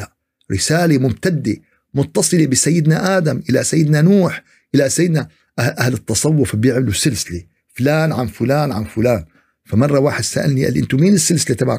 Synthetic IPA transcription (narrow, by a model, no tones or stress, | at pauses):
a | ɾɪsaːlemʊmt̪ad̪ːe | mʊt̪ːɑsˤɨlebɪsajːɪd̪naʔaːd̪amʔɪlasajːɪd̪nanuːħ | ʔɪlasajːɪd̪na | ʔaʔahlɪt̪ːɑsˤɑwːʊfbjɪʕmɪlusɪlsɪli | fʊlaːnʕanfʊlaːnʕanfʊlaːn | famɑrˤːɑwaːħɪd̪saʔalniʔa̰lʔɪnt̪umiːnɪsːɪlsɪlit̪aba̰